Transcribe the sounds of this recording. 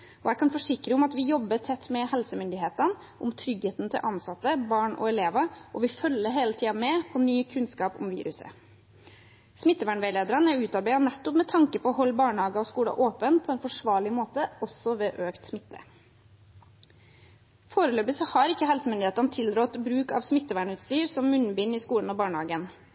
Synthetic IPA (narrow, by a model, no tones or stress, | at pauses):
ʔɔæɪkʰɑnfɔʂɪkɾəʊmɑt̪ʋɪjɔbːət̪ʰɛt̪ːmɛhɛlsəmʏnd̪ɪheːt̪ən | ʔʊmt̪ʰɾʏɡheːt̪nt̪ʰɪ̰lʔɑnsɑt̪ːəbɑːɳɔ̰ɛleːʋɑʔɔʋɪfœlːəɾɦeːlət̪ʰiːɑmɛpʰɔnyːkʰʉnskɑːpʊ̰mʋḭːɾʉsə̰ | smɪt̪ːəʋæːɳʋæɪleːd̪əɾɑnæʉːt̪ɑɾbæɪɑnɛt̪ːɔpmɛt̪ʰɑŋkəpʰɔɔɦɔlːbɑːɳhɑːɡəɔskuːlɑ̰ʔoːpənpʰɔɛnfɔʂʋɑːɭɪmoːt̪əʔɔsɔʋeːʔøːkt̪smɪt̪ːə̰ | foːɾəløːbəsəhɑɾɪkːəhɛlsəmʏnd̪ɪeːt̪ɑnt̪ʰɪld̪ɾɔt̪bɾʉːkɑ̰ːʋsmɪt̪ːəʋæːɳʉːt̪st̪yːɾsɔmːʉn̩biːnɪskuːln̩ɔbɑːɳhɑːɡən